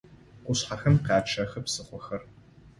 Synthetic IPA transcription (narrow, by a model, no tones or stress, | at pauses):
qʷʊɕħaxɐmqɑːt͡ʃʰɐxɐpsɨχʷɔxɐr